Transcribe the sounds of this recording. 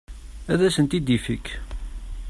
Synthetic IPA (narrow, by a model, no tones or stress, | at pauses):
æðæsənt̪id̪ifikː